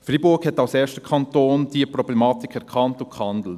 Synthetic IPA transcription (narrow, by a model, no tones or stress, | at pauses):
fribʊɾkhɛtɑʊsɛːʃtə̥kʰɑntoːnd̥iəpɾɔblɛmɑːtikʰɛɾkʰɑntʊkhɑndl̩t